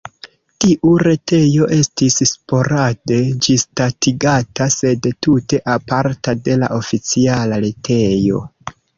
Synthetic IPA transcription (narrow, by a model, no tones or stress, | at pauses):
tiʔuɾe̞te̞jo̞ʔe̞stisspo̞ɾade̞d͡ʒistatiɡatase̞dtute̞ʔapaɾtade̞la̰ʔo̞fit͡sialaɾetʰe̞jo̞̰